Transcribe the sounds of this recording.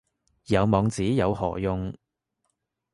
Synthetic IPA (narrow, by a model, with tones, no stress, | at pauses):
jɐ˨˧wmɔː˨˧ŋt͡siː˨˥jɐ˨˧whɔ̰ː˨˩jʊ˧ŋ